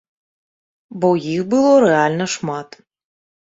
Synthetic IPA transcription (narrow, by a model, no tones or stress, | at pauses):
bɔjixbɨlˠɔɾɛalʲnɐʂmat̪